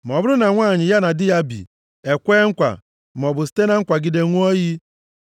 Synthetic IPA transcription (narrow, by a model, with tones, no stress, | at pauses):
m˨ɔ˨bʊ˦ɾʊ˦na˨ŋʷaː˦˨ɲɪ˨ja˦na˨dɪ˦ja˦bḭ˨ | e˨kʷe˦ŋ̩˦kʷa̰˨ | m̩˨ɔ˨bʊ˨si̥˦te˦na˦ŋ̩˦kʷa˨ɡi˨de˨ŋʷu˦o˦ji˦